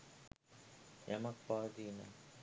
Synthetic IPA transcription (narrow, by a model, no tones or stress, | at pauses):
jamɐk̚paːd̪iːna̰